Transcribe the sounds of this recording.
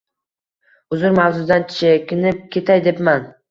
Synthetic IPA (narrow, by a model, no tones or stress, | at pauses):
ʊzʊɾmawzʊd̪ant͡ʃt͡ʃɪkʲɪnɪp̚kʲʰe̞t̪ʰajd̪epman